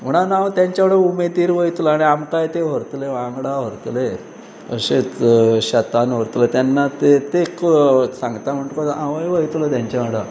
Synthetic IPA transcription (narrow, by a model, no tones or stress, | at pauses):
m̤əɽ̃anaʋt̪jaɲt͡ɕaʋ̤ɽəumed̪iːɾʋəjt̪ləaɽ̃iamkajt̪eʋ̤əɾt̪leʋãŋɡɽaʋ̤əɾt̪le | ə̰ɕet͡sɕət̪anʋ̤əɾt̪let̪janːat̪et̪eksãŋɡt̪am̤əɳʈkɔaʋəjʋəjt̪lət̪jaɲt͡ɕaʋəɽə